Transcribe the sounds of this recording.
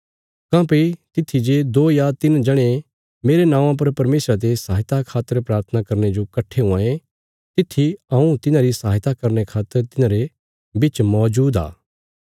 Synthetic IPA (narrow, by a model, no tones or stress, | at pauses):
kãːpet̪ɪt̪ʰːid͡ʒed̪oːjat̪ɪnd͡ʒɐɽ̃e | meːɾenãːʋãp̬ɐɾpɐɾmeːsɾat̪̬esaːɦɪt̪akʰaːt̪ːəɾpɾaːɾt̪ʰənakɐɾned͡ʒokɐʈʰːeɦʊ̃ãːe | t̪ɪt̪ʰːiɐ̃ũt̪ɪnãɾisaːɦɪt̪akɐɾnekʰaːt̪ːəɾt̪ɪnãɾe | bɪt͡ʃmɔːd͡ʒuːd̪a̰ː